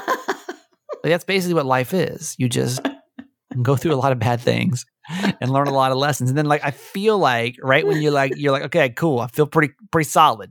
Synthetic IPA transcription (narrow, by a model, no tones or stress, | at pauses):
aɪk̚ðætsb̥eɪs̬ɪkliwʌtˡlaɪfɪ̰z̥jɨd͡ʒʌ̰st | ɡ̥oʊθɹʉəlɔɾʌvbæd̪̚θɪ̰̃ŋz̥ | ɨ̃nlɜ̃˞nəlɔɾʌlɛsn̩zn̩ðɨ̃nlaɪkaɪfilaɪkɹaɪʔ̚wə̃njə˞laɪkjə˞laɪkoʊkʰeɪkʰulˠaɪfilˠpʰɹ̥ɪɾipʰɹ̥ɪɾisɑlˠəd̥̚